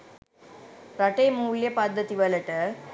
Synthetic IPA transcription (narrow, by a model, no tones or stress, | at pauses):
ɾɐʈːɐjmuːɭjɐpaːd̪ɐt̪iʋɐlɐʈːɐ